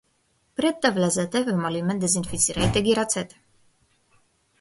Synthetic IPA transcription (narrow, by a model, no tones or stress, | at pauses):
pɾɛt̪ːavlazɛt̪ɛvɛmɔlimɛnd̪ɛzinfit̪sʰiɾait̪ɛɡiɾat̪sʰɛt̪ʰ